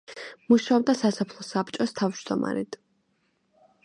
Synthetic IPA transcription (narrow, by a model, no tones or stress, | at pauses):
muʃaɔb̚d̪asasɔpʰlˠɔsapʰt͡ʃʼɔst̪ʰavd͡ʒd̪ɔma̰ɾit̪ʰ